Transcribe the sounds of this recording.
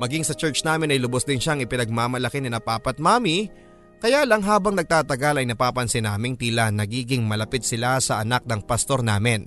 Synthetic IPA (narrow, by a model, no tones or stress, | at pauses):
mɐɡiŋsɐt͡ʃɛɹt͡ʃnaːmɪnɐjlʊbosd̪ɪnʃaɐŋɪpɪnɐɡ̚maːmɐlɐkɪnɪnɐpaːpɐt̪̚maːmi | kɐjalɐŋɦaːbɐŋnɐɡ̚t̪aːt̪ɐɡɐlɐjnɐpaːpɐnsɪnaːmɪŋt̪ilɐnɐɡiːɡɪŋmɐlɐpɪt̪̚sɪlasɐʔɐnak̚nɐŋpɐst̪o̞ɾnaːmɪn